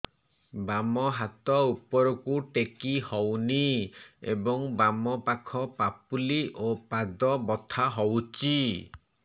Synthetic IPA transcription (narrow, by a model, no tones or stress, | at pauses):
bamɔɦat̪ɔupɔɾɔkuʈekihɔwniḛbɔŋbamɔpakʰɔpapuliʔopad̪ɔbɔt̪ʰaɦɔwt͡ʃʰi